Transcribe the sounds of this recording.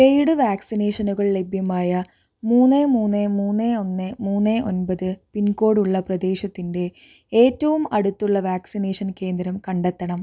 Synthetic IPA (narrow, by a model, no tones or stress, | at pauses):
ejɽɨʋaːksine̞ːʂɐnuɣɐɭle̞bʱjɐmaːjɐ | muːnːemuːnːemuːnːeo̞nːemuːnːeʔo̞̰nbɐðɨpinko̞ːɽuɭːɐprɐd̪e̞ːɕɐt̪ːinde̞ | e̞ːtːɐʋumɐɽut̪ːuɭːɐʋaːksineːʂɐnke̞ːnd̪ɾɐmkɐɳɖet̪ːɐɳɐm